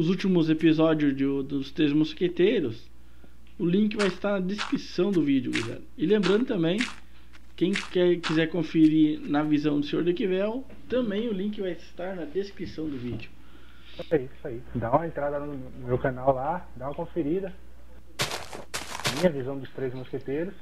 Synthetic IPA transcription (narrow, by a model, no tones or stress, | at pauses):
ʊzut͡ʃimʊzepizɔd͡ʒʊzd͡ʒʊd̪ʊst̪ɾezmʊsket̪ejɾʊs | ʊlĩŋk̬ɪvajɪst̪aɾnɐd̪eskɾisɐ̃w̃d̪ʊvid͡ʒʊɡṵzɛ̰lʊɪlẽmbɾɐ̃nd̪ʊt̪ɐ̃mbẽj̃ | kẽj̃kɛɾkizɛɾkõfeɾiɾnɐvizɐ̃w̃d̪ʊsẽɲo̰ɾd̪ekivɛw | t̪ɐ̃mbẽj̃ʊlĩŋkɪvajɪst̪aɾnɐd̪eskɾisɐ̃w̃d̪ʊvid͡ʒʊ | aiisaid̪aũmɐẽnt̪ɾad̪ɐʊnʊnʊmewkanawlad̪ãɐkõfeɾid̪ɐ | mĩɲɐvizɐ̃w̃d̪ʊst̪ɾezmosket̪ejɾʊs